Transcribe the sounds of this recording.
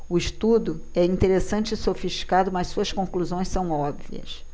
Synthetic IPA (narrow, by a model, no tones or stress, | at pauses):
ʊiʃt̪ud̪ʊ | ɛĩt̪eɾesɐ̃nt͡ʃɪisofiʃt͡ʃi̥kad̪ʊmɐssuɐskõkluzõj̃sɐ̃w̃ɔbviɐ̰s